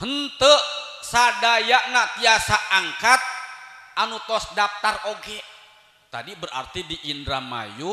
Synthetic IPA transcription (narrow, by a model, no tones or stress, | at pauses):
hənt̪əʔsadajaʔnapiasaʔːŋkat̪̚anut̪ɔsdaf̚t̪aroɡɛ | t̪adibəra̰rt̪idiʔindɾama̰ju